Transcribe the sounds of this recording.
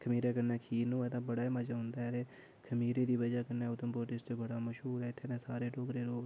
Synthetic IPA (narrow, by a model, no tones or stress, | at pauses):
kʰəmiːɾeːkənɛːkʰiːnũːɛːt̪ãːbəɽaːməd͡ʒaːɦʊ̃nd̪aːɛːt̪eː | kʰəmiːɾeːd̪iːʋəd͡ʒaːkənɛːʊt̪əmpoːʈɪst͡ʃ̪obəɽaːməʃɦuːɾɛːɪt̪ʰːeːt̪ãːsaːɾeːʈoːɡɾeːɾoː